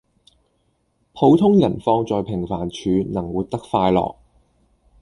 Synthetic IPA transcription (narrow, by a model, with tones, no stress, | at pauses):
pʰo˨˧wt̪ʰʊ˥ŋjɐ˨˩nfɔː˧ŋt͡sɔː˨jpʰɪ˨˩ŋfaː˨˩nt͡ʃʰyː˨˧nɐ˨˩ŋwuː˨˧t̚t̪ɐ˥k̚faː˧jlɔ̰ː˨k̚